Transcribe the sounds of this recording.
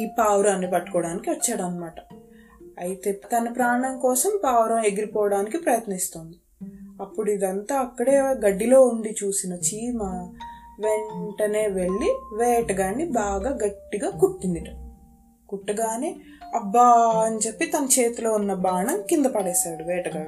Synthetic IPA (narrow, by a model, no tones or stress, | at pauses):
iːpaːwɾaːnːipɐʈːu̥kɔːɽaːnikiʋɐt͡ʃːaːɽɐnɐmaːʈɐ̥ | ɐjit̪e̞ːt̪ɐnɐpɾaːɳɐŋkɔːsɐmpaːwɾɐme̞ɡiɾipɔːʋɐɽaːnikipɾɐjɐt̪nɐist̪oːnd̪i | ɐpːuɽuid̪ɐnt̪aːɐkːɐɽe̞ːɡɐɖːilo̞ːuɳɖit͡ʃuːsinɐt͡ʃiːmɐ | ʋe̞ɳʈɐne̞ːʋe̞ɭːiʋɛːʈɐɡaːnːibaːɡaːɡɐʈːiɡaːkuʈːind̪iʈɐ | kuʈːɐɡaːniːɐbːaːɐnt͡ʃepːit̪ɐnɐt͡ʃe̞ːt̪ulo̞ːunːɐbaːɳɐmkind̪ɐpɐɽɛːʃaːɽuʋɛːʈɐɡaː